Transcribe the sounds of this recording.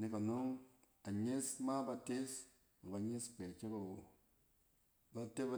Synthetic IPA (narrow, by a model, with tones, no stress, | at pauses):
ni˦ka˨no˦ŋ | a˨ɲe˦sma˦ba˨te˦s | ma˨ba˨ɲe˦spe˨t͡ʃe˦ba˨wo˨ | ba˨te˦ba˦